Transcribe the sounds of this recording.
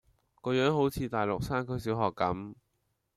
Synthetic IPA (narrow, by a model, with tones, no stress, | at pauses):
kɔː˧jœː˨˥ŋɦo˨˥wt͡sʰiː˨˧t̪aː˨jlʊ˨k̚saː˥nkʰɵ˥jsiː˨˥wɦɔː˨kːɐ˨˥m